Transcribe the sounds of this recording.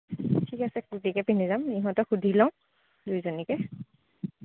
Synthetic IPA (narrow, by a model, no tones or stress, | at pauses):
tʰikasɛkutikɛpinizamiɦɔ̃tɔxudʱilɔ̃w̃ | dujzɔnikɛ